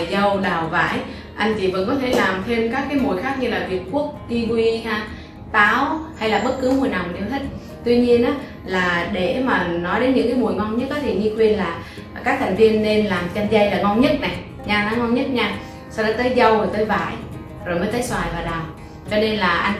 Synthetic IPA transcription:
zə˧wɗaː˨˩wva̰ː˧˩j | ʔa˧jŋ̟t͡ɕi˧˨˩və̰˧˥nk̬ɔ˨˦t̪ʰe˧˩laː˨˩mt̪ʰe˧mkaː˦˥kːaː˨˦jmu˨˩əjxaː˦˥k̚ɲɨ˧laː˨˩vi˨˩ət̚ku˦˥ək̚t̪i˧kwi˧aː˧ | t̪aː˨˦wha˧jlaː˨˩ɓə˦˥t̚kɨ˨˦mu˨˩əjna˨˩wne˨˧˦wt̪ʰi˦˥t̟̚ | t̪wi˧ɲi˧ənʔaː˨˦ | laː˨˩ɗe˧˩maː˨˩nɔ˨˦jɗe˨˦nɲɨ̰˧˥ŋkaː˨˦jmu˨˩əjŋɔ˧ŋ͡mɲə˦˥t̚ʔaː˨˦t̪ʰi˨˩ŋi˧kwi˧ənlaː˨˩ | kaː˦˥k̚t̪ʰa˨˩ŋ̟vi˧ənːe˧nlaː˨˩mt͡ɕa˧nza˧jlaː˨˩ŋɔ˧wŋ͡mɲə˦˥t̚na˨˩j | ɲaː˧naː˨˦ŋɔ˧wŋ͡mɲə˦˥t̚ɲaː˧ | sa˧ɗaː˨˦t̪əː˨˦jzə˧wəː˨˩t̪əː˨˦jvaː˧˩j | zo˨˩jməː˨˦jt̪ə˨˦jswaː˨˩jvaː˨˩ɗaː˨˩w | t͡ɕɔ˧ne˧nlaː˨˩ʔa˧j

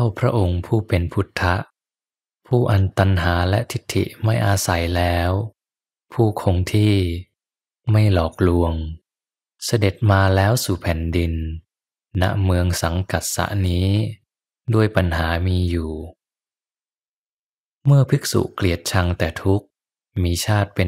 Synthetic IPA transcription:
a˥˩wpʰɾa˦˥ʔo˧ŋpʰuː˥˩pe˧npʰu˦˥t̪ʰːa˦˥ʔ | pʰuː˥˩ʔa˨˧nt̪a˧nɦaː˩˦lɛ˦˥ʔt̪ʰi˦˥t̪ʰːḭ˨˩ʔma˥˩jʔaː˧sa˩˦jlɛː˦˥w | pʰuː˥˩kʰo˧ŋt̪ʰiː˥˩ | ma˥˩jlɔː˨˩k̚lu˧əŋ | sa˧de˨˩t̪̚maː˧lɛː˦˥wsuː˨˩pʰɛː˨˩ndi˧nː | a̰˧˥ʔmɯ˧əŋsa˨˦ŋka˨˩t̪̚sa̰˧˦ʔniː˦˥ | duː˧˥˩əjpa˧nɦaː˩˦miː˧juː˨˩ | mɯ˥˩əpʰɯ˦˥k̚sṵ˨˩kli˨˩ət̪̚t͡ɕʰa˧ŋt̪ɛː˨˩t̪ʰu˦˥k̚ | miː˧t͡ɕʰaː˥˩t̪̚pe˧

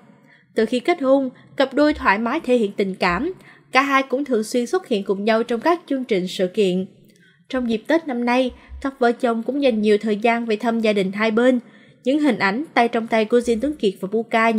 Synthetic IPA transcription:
t̪ɨ˨˩xi˧ke˦˥t̚ho˧n | kə˨˩p̚ɗo˧jt̪ʰwaː˧˨˩jmaː˨˦jt̪ʰe˧˦hḭ˧˨ənt̪ï˨˩ŋ̟kaː˧˩m | kaː˧˩ɦaː˧jkʊ̰˧˥ŋ͡mt̪ʰɨ˨˩əŋswi˧ənswə˦˥t̚hḭ˧˨ənkʊ˨˩ŋ͡mɲa˧wt͡ɕɔ˧wŋ͡mkaː˦˥k̚t͡ɕɨ˧əŋt͡ɕï˨˩ŋ̟sɨ̰˧˨kḭ˧˨ən | t͡ɕɔ˧wŋ͡mzi˨˩p̚t̪eː˦˥t̚na˧mna˧jkaː˦˥k̚və̰˧˩t͡ɕə˧wŋ͡mkʊ̰˧˥ŋ͡mza˨˩jŋ̟ɲi˨˩əwt̪ʰəː˨˩jzaː˧nve˨˩t̪ʰə˧mzaː˧ɗï˨˩ŋ̟ɦaː˧jɓe˧n | ɲɨ̰˧˥ŋɦï˨˩ŋ̟ʔa˨˧˩jŋ̟t̪a̰ː˧˨jt͡ɕɔ˧wŋ͡mt̪a˧jku˧˩əzi˧nt̪ɨ˨˦əŋki˨˩t̚vaː˨˩ɓu˧kaː˧

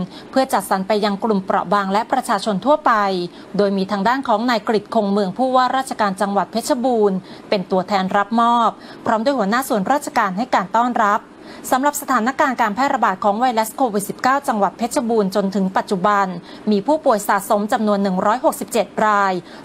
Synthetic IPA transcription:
pʰɯ˥˩ət͡ɕa˨˩t̪̚sa˩˦npa˧jːa˧ŋklu˨˩mpɾɔ̰˨˩ʔbaː˧ŋlɛ˦˥pɾa˧t͡ɕʰaː˧t͡ɕʰo˧nt̪ʰu˥˩ɐpa˧j | doː˧jmiː˧t̪ʰaː˧ŋdaː˥˩nkʰɔː˩˦ŋnaː˧jkɾi˨˩t̪̚kʰoː˧ŋmɯ˧əŋpʰuː˥˩waː˥˩ɾaː˥˩t̪̚t͡ɕʰḁ˧kaː˧nt͡ɕa˧ŋwa˨˩t̪̚pʰe˦˥sʰa˧buː˧npe˧nt̪u˧ət̪ʰɛː˧nɾa˦˥p̚mɔː˥˩p̚ʰːɾɔː˦˥mdu˧˩jhu˩˦ənaː˥˩su˨˩ənɾaː˥t̪̚t͡ɕʰḁ˧kaː˧nɦa˥˩jkaː˧nt̪ɔː˥˩nɾa˦˥p̚ | sa˩˦mɾa˨˩p̚sa˧t̪ʰaː˩˦na˦˥kaː˧nkaː˧npʰɛː˥t̪̚ɾa˧baː˨˩t̪̚kʰɔː˩˦ŋwa˧jlɛ˦˥skʰoː˧wi˨˩t̪̚si˨˩p̚kaː˥˩wt͡ɕa˧ŋwa˨˩t̪̚pʰe˦˥t̪̚t͡ɕʰa˧buː˧nt͡ɕo˧nt̪ʰɯ˩˦ŋpa˨˩t̪̚t͡ɕu˨˩ba˧n | miː˧pʰuː˥˩pu˨˩əjsaː˩˦t̪̚so˩˦mt͡ɕa˧mnu˧ənːɯ˨˩ŋɾɔː˦˥jɦo˨˩k̚si˨˩p̚t͡ɕe˨˩t̪̚ɾaː˧j

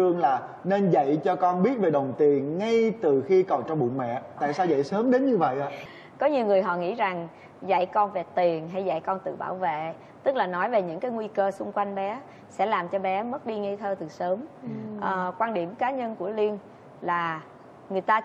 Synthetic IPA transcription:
ɨ˧əŋlaː˨˩ | ne˧nzə̰˧˨jt͡ɕɔ˧kɔ˧nɓi˦˥ət̚ve˨˩ɗə˨˩wŋ͡mt̪i˨˩ənŋa˧jt̪ɨ˨˩xi˧kɔ˨˩t͡ɕɔ˧wŋ͡mɓṵ˧˨nmɛ̰˧˨t̪a̰ː˧˨jsaː˧wza̰˧˨jsəː˨˦mɗe˨˦nɲɨ˧və̰˧˨jʔaː˨˧˦ | kɔ˨˦ɲi˨˩əwŋɨ˨˩əjɦɔ̰˧˨ŋḭ˧˥za˨˩ŋ | zə̰˧˨jkɔ˧nve˨˩t̪i˨˩ənɦa˧jza̰˧˨jkɔ˧nt̪ɨ̰˧˨ɓaː˧˩wvḛ˧˨ | t̪ɨ˦˥k̚laː˨˩nɔ˨˦jve˨˩ɲɨ̰˧˥ŋkaː˨˦jŋwi˧kəː˧sʊ˧ŋ͡mkwa˧jŋ̟ɓɛ˨˦ | sɛ̰˧˥laː˨˩mt͡ɕɔ˧ɓɛ˨˦mə˦˥t̚ɗi˧ŋi˧t̪ʰəː˧t̪ɨ˨˩səː˨˦mʔəː˨˩kwaː˧nɗi˧˩əmkaː˨˦ɲə˧nku˧˩əli˧ən | laː˨˩ | ŋɨ˨˩əjt̪aː˧

